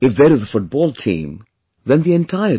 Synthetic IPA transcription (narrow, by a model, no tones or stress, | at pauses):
ɨfðɨɾɨzəfʊt̚b̥ɔlˠtʰḭ̃m | ðɨ̃nðiɨ̃ntʰaɪə